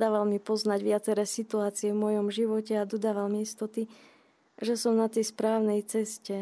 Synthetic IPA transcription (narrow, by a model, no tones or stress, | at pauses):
d̪aːʋalmipɔznaɟʋɪat͡sɛɾɛːsit̪uaːt͡siɛvmʊɔjɔmʒiʋɔcɛad̪ɔd̪aːʋalmiist̪ɔt̪i | ʒɛsɔmnat̪ɛjspɾaːʊnɛjt͡sɛscɛ